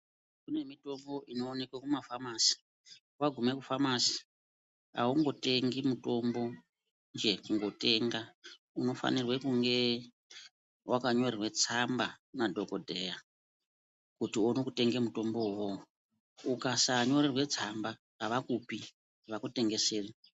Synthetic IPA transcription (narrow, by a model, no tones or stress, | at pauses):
kune̞mito̞mbo̞ʔino̞ːne̞kwekumafamasi̥ | waɡʱume̞kufamasi̥ | a̰uŋɡo̞te̞ŋɡimuto̞mbo̞ | nd͡ʒe̞kuŋɡo̞te̞ŋɡa | uno̞fa̰nirwe̞kuŋɡe̞ | wʔakaɲo̞rirwe̞t͡sambanadʱo̞kodʱeja | kutiono̞kute̞ŋɡemuto̞mbo̞wo | ukasaɲo̞rirwe̞t͡samba | kaʋakupi | ʋakute̞ŋɡe̞seːri